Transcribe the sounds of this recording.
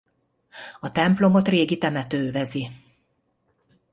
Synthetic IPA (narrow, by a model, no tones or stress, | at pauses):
ɒt̪ɛmplo̞mo̞t̪reːɡit̪ɛmɛt̪øːvɛzi